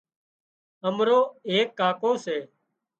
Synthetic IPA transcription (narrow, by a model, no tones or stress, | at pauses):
əmɾoːeːkːaːkoːseː